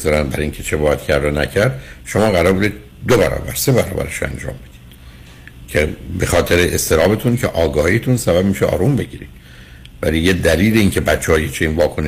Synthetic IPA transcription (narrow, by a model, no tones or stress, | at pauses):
zɒːɾænd̪bæɾɒiŋcʰet͡ʃʰebɒːjæt̪cʰæɾd̪onæ̰cʰæɾd̪ʃo̞mɒːɣæɾɒːɾbud̪id̪̚ | d̪obæɾɒ̰ːbæɾse̞βæɾɒ̰ːbæ̰ɾeʃoæ̰nd͡ʒɒ̰ːmbe̞d̪̥i̥d̪̥ | cʰebexɒːt̪ʰe̞ɾeʔest̪e̞ɾɒːbet̪ʰuncʰḛʔɒːɡɒːhijt̪ʰunsæbæbmiːʃeɒ̰ːɾumbe̞ɟiːɾḭd̥̪ | vælijed̪æliːleiːncʰe̞bæt̪t͡ʃːehɒːjet͡ʃʰeiːnvɒːkʰo̞ne